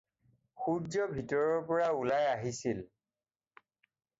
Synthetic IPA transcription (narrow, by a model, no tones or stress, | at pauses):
xuzɔbʱitɔɹɔɹpɔɹaulajaɦisil